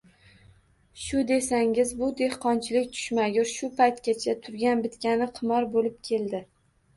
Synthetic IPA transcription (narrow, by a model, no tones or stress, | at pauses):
ʃʊd̪e̞saŋɪzbʊd̪e̞hqɒnt͡ʃʰɪlɪkʲt̪ʰʊ̥ʃmaɡʲʊɾʃʊpʰajt̪kʲat͡ʃʰat̪ʰʊɾɡʲanbɪt̪kʲanɪqʰɨmɒɾbolɪp̚kʲʰe̞ld̪ɪ